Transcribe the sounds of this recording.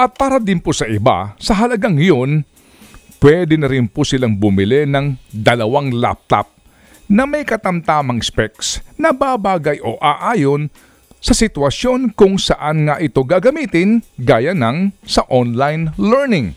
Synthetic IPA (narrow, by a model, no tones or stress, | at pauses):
ʔɐt̪̚paːɾɐd̪ɪnpusɐʔɪba̰sɐɦɐlɐɡaŋɐjo̞n | pwɛd̪ɛnɐɾɪnpʊsɪlaŋbʊmɪlɛnɐŋd̪ɐlɐwaŋla̰p̚t̪a̰p̚ | nɐmɐjkɐt̪ɐmt̪aːmɐŋspɛk̚snɐbabaːɡɐjʔo̞ʔaːʔaːjo̞n | sɐsɪt̪wɐsjo̞nkʊŋsɐʔanŋaʔɪt̪o̞ɡaɡɐmiːt̪ɪnɡaːjɐnɐŋsɐʔonlajnlɛɹnɪŋ